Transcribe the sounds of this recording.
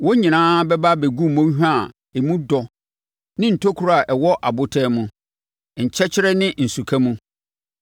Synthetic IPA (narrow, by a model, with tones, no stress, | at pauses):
wɔ˦ɲĩ˨nãː˦bɛ˦ba˦be˨ɡũ˦mõ˦ɦᶣa˦˨ | e˨mũ˦dɔ˨ | nɪ̃˦n̩˨tʰo˦kʰu˦ɾa˨ʔɛ˨wɔ˦ʔa˨bʊ˦tʰɛː˦mũ˦ | ɲ̩˨t͡ɕʰɛ˦t͡ɕʰɪ˦ɾɛ˦nɪ̃˦n̩˨su˨kʰæ˦mũ˦